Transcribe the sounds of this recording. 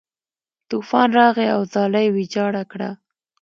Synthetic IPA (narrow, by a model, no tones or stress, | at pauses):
t̪ufɑnɾɑɣeawzɑlajwid͡ʒɑɽakɽa̰